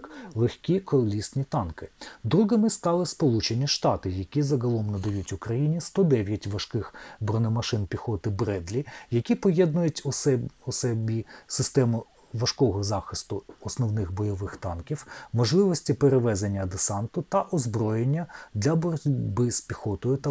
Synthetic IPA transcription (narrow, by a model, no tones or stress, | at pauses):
klˠexʲkʲikɔlʲisnʲit̪ɑnkɪd̪ɾuɦɪmɪst̪ɑlˠɪspɔlˠut͡ʃenʲiʃt̪ɑt̪ɪjɐkʲizɐɦɐlˠɔmnɐd̪ɐjutʲʊkɾɐjinʲist̪ɔd̪ɛʋʲjɐtʲʋɐʃkɪxbɾɔnɔmɐʃɪnpʲixɔt̪ɪbɾɛd̪lʲijɐkʲipɔjɛd̪nʊjʊtʲsɔsɛbʲisɪst̪ɛmʊ | ʋɐʃkɔɦɔzɑxɪst̪ʊɔsnɔwnɪxbɔjɔʋɪxt̪ɑnkʲiwmɔʒlˠɪʋɔsʲtʲipeɾeʋɛzenʲːɐd̪esɑnt̪ʊt̪ɐʔɔzbɾɔjenʲːɐd̪lʲɐbɔbɪspʲixɔt̪ɔjʊt̪ɐ